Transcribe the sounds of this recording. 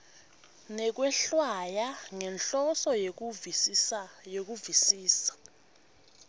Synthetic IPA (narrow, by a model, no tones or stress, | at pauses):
nɛk̬wɛɬwajaŋɛnɬɔsɔje | jok̬uvisiːsḁ